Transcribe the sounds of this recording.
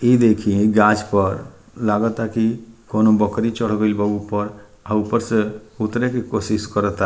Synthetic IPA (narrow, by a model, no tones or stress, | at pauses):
ed̪eːkʰiɡaːd͡ʒpəɾ | laːɡət̪akikonobəkɾit͡ʃəɽ̤ɡoilbəɡupəɾ | aupəɾseʊt̪ɾekekoːsɪskəɾət̪a